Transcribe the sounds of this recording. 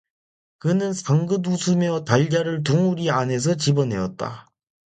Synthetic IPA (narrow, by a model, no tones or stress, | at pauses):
kɯnɯnsʰaŋɡɯdusʰumjʌtaʎd͡ʑaɾɯɭt̬uŋuɾiane̞sʰʌt͡ɕibʌnɦe̞̰ʌt̚t͈a̰